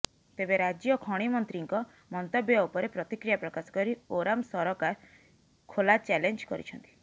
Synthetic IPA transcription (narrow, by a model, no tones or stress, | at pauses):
t̪ebeɾad͡ʒjɔkʰɔɽ̃imɔnt̪ɾiŋkɔ | mɔnt̪ɔbjɔupɔɾepɾɔt̪ikɾijapɾɔkasɔ̥kɔɾioɾamsɔɾɔkaɾ | kʰolat͡ʃɛlend͡ʒkɔɾḭt͡ʃʰɔnt̪i̥